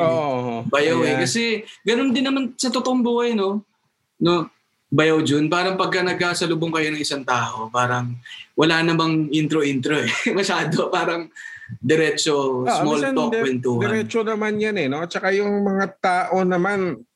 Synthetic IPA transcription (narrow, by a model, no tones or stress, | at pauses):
ʔoobɐjawɛkɐsɛɡɐnond̪ɪnːɐmansɐt̪ot̪oʔoŋbuːhɐjno̞ | no̞ | bɐjawd͡ʒonpaːɾɐŋpɐɡ̚kɐnɐɡ̚kasɐlʊboŋkɐjo̞nɐŋɪsaŋt̪aːʔo̞paːɾɐŋwɐlaːnɐmɐŋʔint̪ɾoʔint̪ɾoɛmɐʃaːd̪opaːɾɐŋd̪ɛɾɛːt͡ʃo̞smolokwɛnt̪uːd̪ɛɾɛt͡ʃonɐmanjanɛnot̪̚t͡ʃɐkajʊŋmɐŋat̪aːʔo̞nɐman